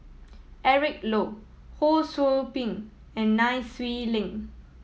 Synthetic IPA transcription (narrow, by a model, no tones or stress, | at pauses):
ʔɛɹik̚lo | holsolpĩŋ | ɛ̃nːaɪswilɪ̃ŋ